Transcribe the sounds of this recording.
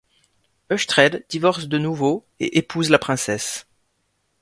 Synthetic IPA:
œʃt̪χɛd̪d̪ivɔʁsd̪ənuvo | ḛʔepʰuzlapχɛ̃sɛs

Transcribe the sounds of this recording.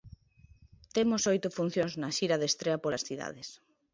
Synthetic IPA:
t̪emosojt̪ʊfun̟θjoŋznɐʃiɾɐðest̪ɾeɐpolɐsθiða̰ðɪs

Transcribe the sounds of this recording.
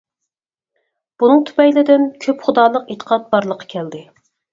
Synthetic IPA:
b̥unɨŋt̪ʰy̥pɛjlɪd̪ɪnkʲʰøpχʊd̪ɑːlˠəqet̪ʰə̥qʰɑt̪̚bɑɾlˠəqʰːɑ̥kʲʰɛld̪ɪ

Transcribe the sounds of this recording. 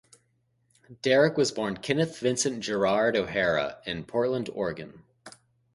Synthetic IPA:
d̥ɛɹɨkwʌzbɔɹnkʰɪ̃nɨθvɪ̃nsɨ̃nd̥ʒ̥ə˞ɑɹɾoʊhɛɹə̰ɪ̃npʰɔɹtˡlə̃ndɔ̰ɹɡɨ̃n

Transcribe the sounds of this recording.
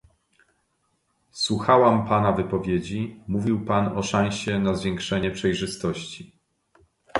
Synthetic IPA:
swuxawampanavɘpɔvʲjed͡ʑimuvʲiwpanɔʂãw̃ɕɛnazvʲjɛŋkʂɛɲɛpʂɛjʐɘst̪ɔɕt͡ɕi

